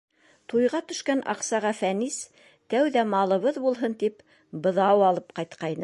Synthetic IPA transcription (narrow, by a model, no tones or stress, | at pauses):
t̪ujʁɑt̪ɵ̆ʃkænʔɑ̰qsɑʁɑfænis | t̪æwðæmɑlˠɤ̆βɤðbulˠɦɤnt̪ip | bɤ̆ðɑwɑlˠɤp̚qɑjt̪qɑjnɤ